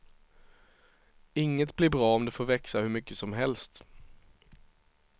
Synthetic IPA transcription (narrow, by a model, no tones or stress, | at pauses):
ɪŋːət̪blɪɾbɾɑːɔmd̪ɛfoːɾvɛksahɵɾmʏkːəsɔmɦɛlst̪